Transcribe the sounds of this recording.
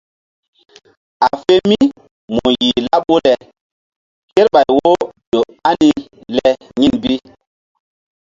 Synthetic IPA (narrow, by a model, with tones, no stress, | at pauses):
a˨fe˦lmi˦ | mo˨ji˨la˦p̚wo˦lɛ˨ | ke˦ɾɓa˨jwo˦do˨ | a˦ni˨lɛ˨ | ɲi˦˨nbi˦